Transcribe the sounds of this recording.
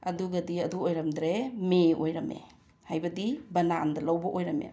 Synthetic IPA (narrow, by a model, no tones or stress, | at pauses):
ɐduɡadiɐduojɾamdɾemeʔojɾamḛ | hajbadibɐnandalawbɔʔojɾamḛ